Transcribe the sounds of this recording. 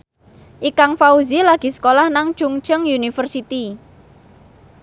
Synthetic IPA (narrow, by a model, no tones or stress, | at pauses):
ʔikaŋfauzilaɡ̥i̤sə̥kolahnaŋ̥ʒ̥uŋt͡ʃəŋjunifərsit̪i